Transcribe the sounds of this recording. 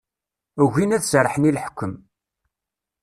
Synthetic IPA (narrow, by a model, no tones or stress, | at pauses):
əʝinæθsɾˤəħənilħə̥kʷːəm